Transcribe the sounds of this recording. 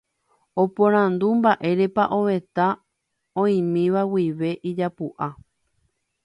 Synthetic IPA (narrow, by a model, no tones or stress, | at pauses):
o̞põ̞ɾ̃ãnd̪umbaʔe̞ɾe̞paʔo̞ʋe̞t̪a | õj̃mĩʋawiʋe̞ʔid͡ʒapuʔa